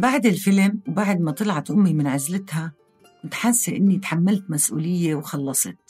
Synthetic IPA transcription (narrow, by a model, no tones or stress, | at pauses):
baʕd̪ɪlfɪlmwbaʕd̪mat̪ˤɨlʕɑt̪ʔʊmːimɪnʕazlɪt̪ha | mɪt̪ħasːeʔɪnːit̪ħamːalt̪masʔṵːlɪjːewxɑlːɑsˤɨt̪̚